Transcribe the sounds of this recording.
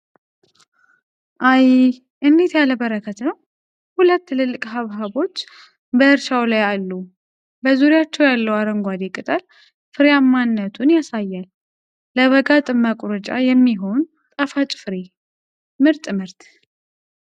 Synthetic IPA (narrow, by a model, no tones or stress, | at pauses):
ʔaj | ʔɨnd̪et̪jaləbəɾəkʰət̪nəw | hulət̪ːɨlɨlːɨkʼɦaβɦaβo̞t͡ʃː | bəɨɾʃawlajalːu | bəzuɾjat͡ʃːɛwjalːəwaɾəŋɡʷad̪ekʼɨt̪ʼəl | fɨɾejamːanːət̪ʰunjasajːalː | əβəɡat̪ʼɨməkʼɾət͡ʃʼa̰jɛmːiɦo̞n | t̪ʼəfat͡ʃʼfɨɾe | mɨɾt̪ʼmɨɾt̪